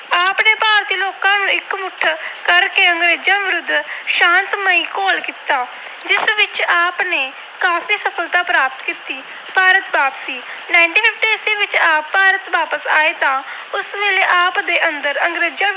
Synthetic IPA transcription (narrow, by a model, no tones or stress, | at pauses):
aːpneːpaːɾt̪iːloːkãːnũːɪkmʊʈʰkəɾkeːəŋɡɾeːd͡ʒãːʋɪɾʊd̪ːʃãːnt̪məiːkoːlkiːt̪aː | d͡ʒɪsʋɪt͡ʃaːpneː | kaːpʰiːsəpʰəlt̪aːpɾaːp̚t̪kiːt̪iː | paːɾət̪baːpsiːnaːɪɳʈiːpʰɪpʰʈiːsiːʋɪt͡ʃaːpːaːɾət̪ʋaːpəsa̰ːeːt̪ãː | ʊsʋeːleːʔaːpd̪eːʔənd̪əɾəŋɡɾeːd͡ʒãː